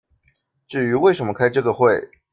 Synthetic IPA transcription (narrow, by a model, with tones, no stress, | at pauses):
ʈ͡ʂɻ̩˥˩y˧˥we˥˩ɪʂə˧˥nmə˧kʰa˥ɪʈ͡ʂɤ˥˩ɡə˩xwe˥˩ɪ